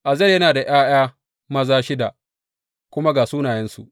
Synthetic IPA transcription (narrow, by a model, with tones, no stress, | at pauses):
ʔa˨zɐ˦˨jɐ˦naː˨da˨ʔj̰aː˦j̰aː˦ | mɐ˦zaː˦ʃɪ˦da˨ʔ | kʷʊ˦ma˦ɡaː˨suː˦naː˨jɛ˦nsṵ˨ʔ